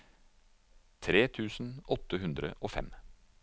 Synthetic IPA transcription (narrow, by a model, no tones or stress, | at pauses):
t̪ʰɾeːt̪ʰʉːsn̩ʔɔt̪əɦʉnd̪ɾə̰ʔoːfɛ̰m